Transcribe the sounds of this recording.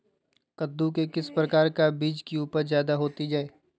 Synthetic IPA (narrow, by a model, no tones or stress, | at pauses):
kɐd̪ːukekɪspɾɐkaːɾkabiːd͡ʒkiuːpəɾzjaːd̪aɦoːt̪id͡ʒaːeː